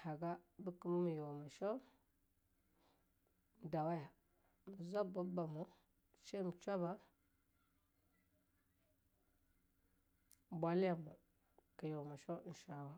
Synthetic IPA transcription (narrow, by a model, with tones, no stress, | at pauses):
ha˨ɡa˦bə˦kə˦mu˦mi˨jo˨ma˨ʃo˦ | n˨da˨wa˦ja˨ | mə˨za˦ba˦ba˨mu˦ | se˦mə˨t͡ʃʷa˦ba˦˨ | bʷa˨li˦ja˨ma˨ | ka˨jo˨wma˨ʃo˦n̩˨ʃa˨wa˦